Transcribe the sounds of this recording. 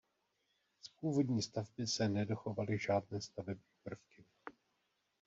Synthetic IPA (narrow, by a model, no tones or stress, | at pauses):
spuːvo̞dɲiːst̪avbɪsɛnɛdo̞xo̞valɪʒaːdnɛːst̪avɛbɲiːpr̩fkɪ